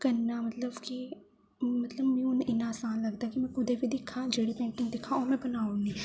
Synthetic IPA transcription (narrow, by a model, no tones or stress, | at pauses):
kɐnːamɐt̪ləbki | mɐt̪ləbmɛ̃oneʔɪnaːsaːnlɐɡd̪akimɛ̃kʊd̪ebʱid̪ɪkʰːãːd͡ʒeːɽipɛ̃ːɳʈɪ̃ŋɡ̚d̪ɪkʰãɔːɾmɛ̃bɐnaːõnĩː